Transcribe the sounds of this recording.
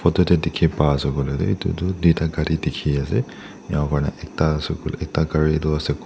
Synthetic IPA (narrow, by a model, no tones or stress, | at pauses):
pʰɔtɔtɛdikʰipasɔɡɔlɛdɛitṵtʊdwitaɡadidikʰiasɛ | jaw̃kaɹnɛ̰ʔɛk̚tasɔkulɛk̚takaɹitʊasɛk